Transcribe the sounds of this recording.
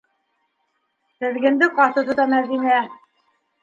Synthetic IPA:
t̪ɘ̆ðɡɘ̆nd̪ɘqɑt̪ɤ̆t̪ŏt̪ɑmæðinæ

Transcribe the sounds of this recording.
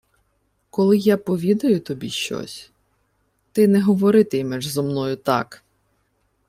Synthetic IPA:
kɔlˠɪjapɔʋʲid̪ɐjʊt̪ɔbʲḭʃt͡ʃɔ̰sʲ | t̪ɪnɛɦɔʋɔɾɪt̪ɪjmɛʒzɔmnɔjʊt̪ɑ̰k

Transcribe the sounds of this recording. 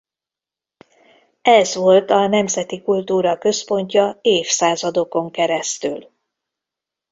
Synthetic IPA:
ɛzʋo̞lt̪ɒnɛmzɛt̪ikult̪uːɾɒkø̞spo̞ɲcɒeːfsaːzɒd̪o̞ko̞ŋkɛɾɛst̪y̰l

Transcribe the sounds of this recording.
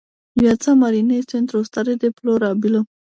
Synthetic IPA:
wat͡samaɾinesɪnd̪ɾost̪aɾed̪eploɾɑbilo

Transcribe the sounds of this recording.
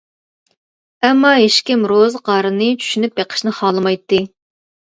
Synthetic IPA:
ɛmːɑɦeʃkʲimɾozqʰɑːɾɨnɨt͡ʃʰy̥ʃynyp̚jeqʰə̥ʃnɨχɑːlˠɨmɑjt̪ːɨ

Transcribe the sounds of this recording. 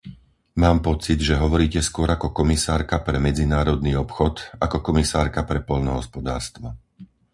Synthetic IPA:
maːmpɔt͡sid̪ʒɛɦɔʋɔɾiːcɛskʊɔɾakɔkɔmisaːɾkapɾɛmɛd͡zinaːɾɔd̪niːɔpxɔt̪akɔkɔmisaːɾkapɾɛpɔlnɔɦɔ̰spɔd̪a̰ːɾst̪ʋa

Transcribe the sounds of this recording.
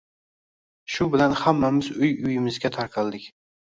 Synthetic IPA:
ʃʊbɪlanhamːamɪzʊjʊjɪmɪzɡʲat̪ʰaɾqʰɑlˠd̪ɪkʲ

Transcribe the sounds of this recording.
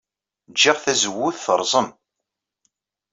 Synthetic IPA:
d͡ʒːiʁθæzəwːʊθθəɾˤzˤəm

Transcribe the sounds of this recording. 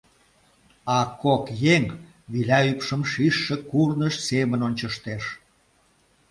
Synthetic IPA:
ɑkokjeŋ | βilæypʃəmʃiʃːĕkurnəʃsemənonʲt͡ɕəʃt̪eʃ

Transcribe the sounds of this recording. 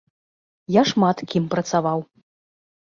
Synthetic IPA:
jaʂmat̪kʲimpɾɐt̪savaw

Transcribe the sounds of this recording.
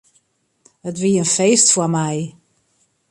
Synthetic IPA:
ətʋiənfeːstfwəmɛj

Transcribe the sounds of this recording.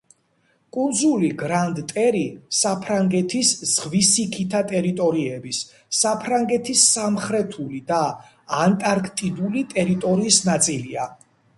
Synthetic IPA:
kʼund̪zuliɡɾand̪t̪ʼɛɾisapʰɾaŋɡɛt̪ʰisz̥ʁvisikʰit̪ʰat̪ʼɛɾit̪ʼɔɾiɛbisː | apʰɾaŋɡɛt̪ʰisːamχɾɛt̪ʰulid̪aː | nt̪ʼaɾkʰt̪ʼid̪ulit̪ʼɛɾit̪ʼɔɾiːsnat̪sʼilia

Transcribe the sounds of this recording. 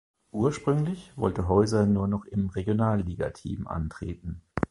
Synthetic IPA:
ʔuːɐʃpʁ̥ʏŋlɪçv̥ɔ̰ltəɦɔʏzɐnuːɐnɔχɪmʁeɡjonaːlːiːɡa̰tʰḭːmʔa̰ntʁ̥ḛːtn̩

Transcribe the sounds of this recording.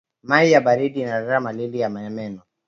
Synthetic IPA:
maijabaɾidiːnaɾaɾamalilijamaɛmɛnɔ

